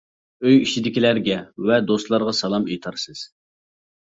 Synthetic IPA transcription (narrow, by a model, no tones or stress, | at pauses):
øjit͡ʃʰid̪ɪkʲilæɾɡʲɛvɛd̪ost̪lˠɑɾʁɑsɑlˠɑmijt̪ʰɑɾsɨz̥